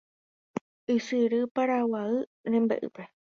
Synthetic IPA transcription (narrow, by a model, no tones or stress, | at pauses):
ɨsɨɾɨpaɾawaɨɾẽmbḛʔɨ̰pe